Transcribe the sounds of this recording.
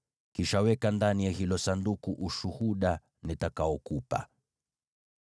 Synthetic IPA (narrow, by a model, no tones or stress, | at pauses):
kiʃawɛkandanijahilɔsandukuʔuʃuhuɗa | nitakaɔkupa̰